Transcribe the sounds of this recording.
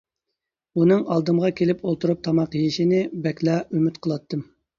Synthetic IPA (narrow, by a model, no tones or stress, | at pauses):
unɨŋɑlˠd̪ɨmʁɑkʲʰelɪpolˠt̪uɾup̚t̪ʰɑmɑqjiʃinɪbɛkʲlɑymyt̪qʰəlˠɑt̪ːɨm